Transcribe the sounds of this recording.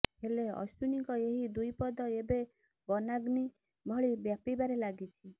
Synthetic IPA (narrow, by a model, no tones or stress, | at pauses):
ɦeleɔ̰sunikɔeɦid̪ujpɔd̪ɔebe | bɔnaɡni | bʱɔɭibjapibaɾelaɡit͡ʃʰi